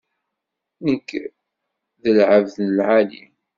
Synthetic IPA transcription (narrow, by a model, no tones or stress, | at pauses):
nəkː | ðəlʕəvðnəlʕalḭm